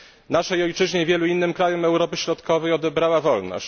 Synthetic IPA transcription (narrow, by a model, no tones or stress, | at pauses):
naʂɛjɔjt͡ʂɘʑɲevʲjɛluinːɘmkɾajɔmɛwɾɔpɘɕɾɔt̪kɔvɛjɔd̪ɛbɾawavɔlnɔ̰ɕt͡ɕ